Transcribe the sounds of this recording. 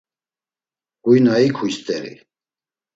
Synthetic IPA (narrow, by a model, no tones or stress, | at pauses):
ɡ̥ujnaikʰujst̪ʼɛɾḭ